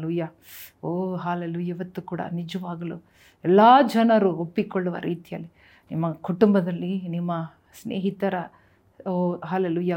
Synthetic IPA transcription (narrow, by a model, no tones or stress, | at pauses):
luːjaː | oːɦaːleluːjaiʋɐt̪ːukuːɽɐ̰nid͡ʒɐʋaːɡɐlu | ɛlːaːd͡ʒɛnɐɾuopːikoɭːuʋɐ̰ɾʔiːt̪ijɐlːi | nimːɐkuʈumbɐd̪ɐlːinimːɐ | snḛːɦit̪ɐɾɐ | oɦaːleluːja